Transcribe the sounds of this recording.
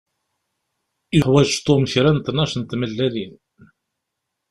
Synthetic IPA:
əħwæʒt̪omçɾænt̪nːɑʃənt̪məlːæðin

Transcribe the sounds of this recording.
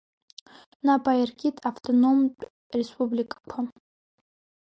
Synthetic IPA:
nabajirɡʲʼitʰʼaftʰʼono̞mpʼ | respʼublʲikʼakʷʰa

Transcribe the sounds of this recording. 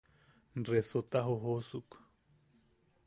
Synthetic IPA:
nresot̪aɦoɦosuk

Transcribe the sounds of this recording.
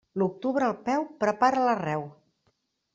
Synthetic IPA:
luk̚t̪uβɾəːlˠpɛwpɾəpaɾələrɛw

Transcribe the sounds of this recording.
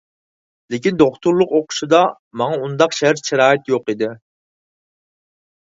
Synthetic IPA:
lɪkʲind̪oχt̪ʰuɾlˠʊqoqʰʊ̥ʃid̪ɑ | mɑŋɑund̪ɑqʃɛɾʃeɾɑːɪt̪joqid̪ɪ

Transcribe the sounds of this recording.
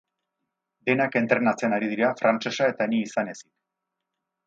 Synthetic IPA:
d̪e̞nake̞nt̪ɾe̞nat͡seanaɾið̞iɾafɾant͡ʃe̞sae̞t̪aniːsane̞sik

